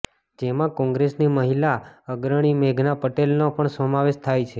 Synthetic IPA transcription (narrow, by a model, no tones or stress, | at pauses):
d͡ʒemãkɔ̃ŋɡɾesniməɦilaəɡɾəɽ̃imeɡʱnapəʈelnopəɳsəmaʋeʃt̪ʰajt͡ʃʰe